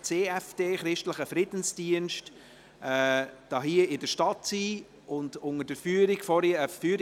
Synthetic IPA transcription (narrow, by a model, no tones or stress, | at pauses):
t͡seːɛfd̥eːχɾɪʃtləχəfɾɪd̥n̩sd̥iənʃt | ɛːd̥ɑːɦiəɪdəʃtɑtsiː | ʊndʊŋəd̥əfyːəɾiɡ̥fɔɾiəfyːəɾ